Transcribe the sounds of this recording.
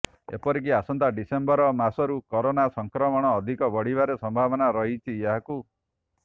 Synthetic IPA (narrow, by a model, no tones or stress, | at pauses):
ḛpɔɾik̬iasɔnt̪aɖisembɔɾɔmasɔɾukɔɾonasɔŋkɾɔmɔɽ̃ɔːd̪ʱikɔbɔɽ̤ibaɾesɔmbʱabɔnaɾɔɦit͡ʃʰieɦaku